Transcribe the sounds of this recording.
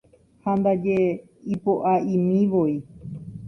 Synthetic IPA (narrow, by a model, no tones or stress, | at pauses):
hand̪ad͡ʒe | ipoʔaʔĩmĩʋoi